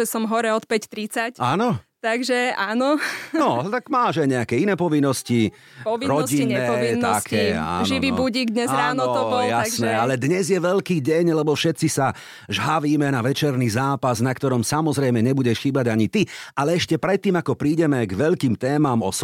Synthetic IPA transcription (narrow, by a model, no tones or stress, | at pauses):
ɛsɔmɦɔɾɛɔt̪pɛct̪ɾit͡sacaːnɔt̪aɡʒɛaːnɔnɔt̪aɡmaːʒaɪɲɛakɛinɛːpɔʋinːɔsci | pɔinɾɔɟinɛɛint̪akʰɛːa̰ʒiʋiːbuɟiːɡd̪ɲɛzɾaːnɔt̪ɔbɔljasnɛalɛd̪ɲɛzjɛʋɛʎkiːɟɛɲlɛbɔfʃɛt̪t͡sisa | ʒɦaʋiːmɛnaʋɛt͡ʃɛɾnizaːpaznakt̪ɔɾɔmsamɔzɾɛjmɛɲɛbuɟɛʃxiːbaɟaɲit̪ialɛɛʃcɛpɾɛt̪ːiːmakɔpɾiːɟɛmɛɡʋɛʎkiːmt̪ɛːmamɔ̰s